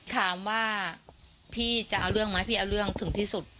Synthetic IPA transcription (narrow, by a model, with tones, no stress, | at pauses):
t̪ʰaː˩˦mwaː˥˩ | pʰiː˥˩t͡ɕa˨˩ʔaː˧wɾɯ˥˩əŋmaː˦˥pʰiː˥˩ʔaː˧wɾɯ˥˩əŋt̪ʰɯ˩˦ŋt̪ʰiː˥˩su˨˩t̪̚